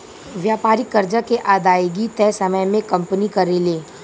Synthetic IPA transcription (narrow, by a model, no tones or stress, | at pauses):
ʋjaːpaːɾikːɐɾd͡ʒakeʔaːd̪aːjɡit̪ɛːsɐməjmẽkɐ̃mpənikɐɾeleː